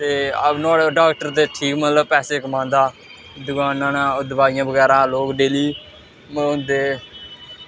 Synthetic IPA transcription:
t̪eːnaːɽeɖaːkʈəɾt̪eːʈʰiːkmət̪ləbpɛːseːkəmãːnd̪aː | d̪ʊkaːnãːnãːʊd̪əʋaːɪjãːbəɡɛːɾãːloːkɖeːliː | mʊ̃nd̪eː

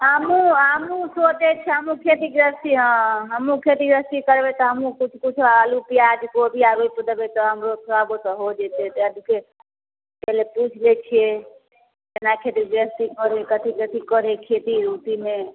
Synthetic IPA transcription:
amũamũsod̪et͡ʃʰeɦəmũkʰet̪iɡɾəst̪iɦə̃ɦəmũkʰet̪iɡɾəst̪ikəɾʋet̪ɔɦəmũkʊt͡ʃʰkʊt͡ʃʰulupiad͡ʒkobʱiaʋopəd̪əbet̪ɔɦəmɾosʰaɡot̪ɔɦod͡ʒet̪et̪eəd̪ike | pɛleput͡ʃʰlet͡ʃʰie | enakʰet̪iɡɾəst̪ikɔɾekət̪ʰikət̪ʰikəɾekʰet̪iɾut̪imẽ

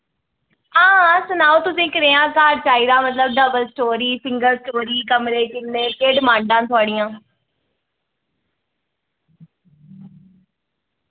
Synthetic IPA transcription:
ãːsənaːũːt̪ʊsĩːkəɾeːãːkaːɖ̚t͡ʃaːiɾãːmət̪ləb̚ɖəbəlsʈoːɾiːpɪŋɡəɾsʈoːɾiːkəmɾeːkɪnnẽːkeːɖmãːɳɖãːt̪ʰʊaːɽijãː

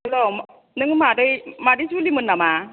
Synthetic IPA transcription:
lɔm | nɯŋmadɯjmadɯsulimɯnːama

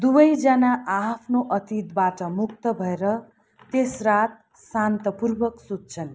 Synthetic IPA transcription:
d̪ubʌjd͡zʌnaapʰnoʔʌt̪it̪baʈʌmuk̚t̪ʌbʱʌeɾʌ | t̪esrat̪̚ | sant̪ʌpurbʌksud̪̚t͡sʰʌn

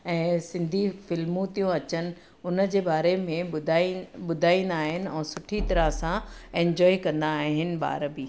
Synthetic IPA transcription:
ɛ̃ːsɪ̃nd̪ʱifɪlmũt̪ijũɐt͡ɕənɪ̆ | ʊnəd͡ʑeːbaːɾemẽd̪ʱɓʊd̪ʱaːĩːn̆d̪aːɦɪnɪ̆ɛ̃ːsʊʈʰit̪ɐɾəɦsãẽɲd͡ʑɔːikɐ̃nd̪aːɦɪnɪ̆ba̰ːɾbiː

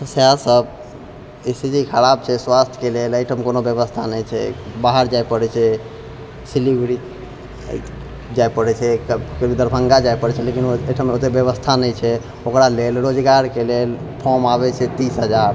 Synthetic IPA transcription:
t̪əseasəb | esid͡ʒikʰəɾab̚t͡ʃʰɛswast̪ʰkeleləjʈʰəmekonobjəβəst̪ʰanɛjt͡ʃʰɛ̰baɦəɾd͡ʒajpəɽɛt͡ʃʰɛ | silibɾḭ | d͡ʒajpəɽɛt͡ʃʰɛkkəbid̪əɾbʱəŋɡad͡ʒajpəɽɛt͡ʃʰɛlekinəʈʰəmeot̪ebjəβəst̪ʰanɛjt͡ʃʰɛ | okɾalelɾod͡ʒɡaɾkelel | pʰɔmaβɛt͡ʃʰɛt̪isɦəd͡ʒaɾ

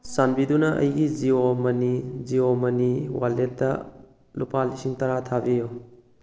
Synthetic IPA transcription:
sanbidunɐʔɐ̰jɡiziomɐniziomɐniwaletːɐ̰ | lupalisiŋtɐɾatʰabijo

